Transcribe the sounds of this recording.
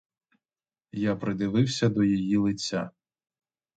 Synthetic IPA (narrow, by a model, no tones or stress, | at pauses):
japɾɪd̪ɪʋɪwsʲɐd̪ɔjɔjilˠɪt͡sʲːa̰